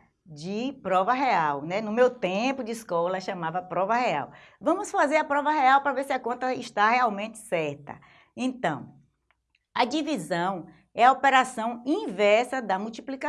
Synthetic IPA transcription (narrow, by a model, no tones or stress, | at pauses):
d͡ʒɪpɾɔvɐɦeawnɛnʊmewt̪ẽpʊd͡ʒɪiskɔlɐʃɐ̃mavɐpɾɔvɐhea̰w | vɐ̃mʊsfazeɾɐpɾɔvɐheawpɾɐvesɪɐkõnt̪ɐiʃt̪aɦeawmẽnt͡ʃɪ̥sɛɾt̪ɐ̰ | ẽt̪ɐ̃w̃ | ɐd͡ʒivizɐ̃w̃ | ɛɐopeɾasɐ̃w̃ĩvɛɾsɐd̪ɐmuwt͡ʃiplika